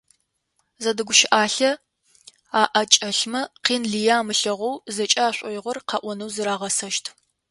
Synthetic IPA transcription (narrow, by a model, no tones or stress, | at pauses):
zɐdɨɡʷʊʃɪʔaːɬɐ | aːʔɐt͡ʃʼɐɬmɐqiːnɮijaːmɨɬɐʁʷɔwzɐt͡ʃʼɐaːɕʷʼɔjɪʁʷɔrqʰɑʔʷɔnɨwzɨɾaːʁɐsɐʃtʰ